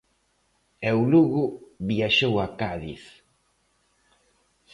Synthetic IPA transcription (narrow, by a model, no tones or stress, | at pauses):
ɛwluɣʊβiaʃowakaðiθ